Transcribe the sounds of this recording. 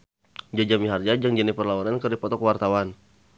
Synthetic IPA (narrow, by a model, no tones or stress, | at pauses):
d͡ʒad͡ʒamiɦard͡ʒad͡ʒaŋd͡ʒənipərlaɔnankərdipɔt̪ɔkwart̪awan